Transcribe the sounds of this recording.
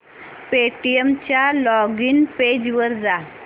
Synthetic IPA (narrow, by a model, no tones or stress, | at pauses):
peʈijemt͡ɕjalɔɡiːnped͡ʑʋəɾd͡za